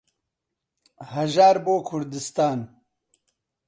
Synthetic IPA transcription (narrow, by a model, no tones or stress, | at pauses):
hɐʒaːɾboːkʰʊɾd̪ist̪aːn